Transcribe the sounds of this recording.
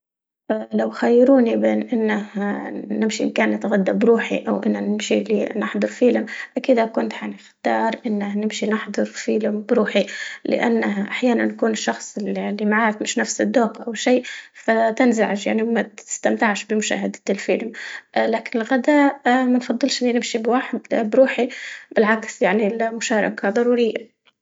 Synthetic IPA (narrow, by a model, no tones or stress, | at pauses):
ʔlawxajːɪɾuːnibeːnʔɪnːahnɪmʃiʔɪmkaːnːɪt̪ɣad̪ːabɾuːħḭʔawʔɪ̰nːanɪmʃiliːnɪħd̪ˤɑɾfiːlɪmʔakiːd̪akʊnt̪ʕanɪxt̪ɑːɾˤʔɪnːahnɪmʃinɪħd̪ˤɑɾˤfiːlɪmbɾuːħilɪ̰ʔanːaʔaħjaːnanːkuːnɪʃːɑxsˤɪllːimaʕaːɾɪfmɪʃnafsɪd̪ːoːqʔawʃiːfat̪anzaʕɪʃja̰ʕniwmat̪ɪ̥st̪amt̪aʕʃbɪmʊʃa̰ːɦad̪t̪ɪlfɪlmʔlaːkɪnɪlɣad̪amanfɑd̪ˤːɨlʃʔɪnːinɪmʃibwaħd̪bɾuːħib̥ɪlʕaksjaʕnilmʊʃaːɾˤɑ̰kʰad̪ˤɑɾuːɾɪjːa̰